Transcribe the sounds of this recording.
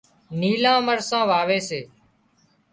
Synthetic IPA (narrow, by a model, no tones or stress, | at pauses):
niːlãːməɾsãːʋaːʋeːseː